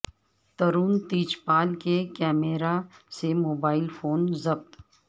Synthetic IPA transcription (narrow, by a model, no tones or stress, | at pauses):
t̪ɐɾuːnt̪iːt͡ʃpaːlkekɛːmeɾasemoːbaːɪlfoːnzɐb̚t̪